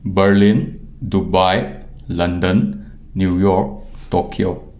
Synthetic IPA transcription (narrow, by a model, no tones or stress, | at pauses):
bɐɾlin | dubaj | lɐndənː | jujɔɾk̚tokʰio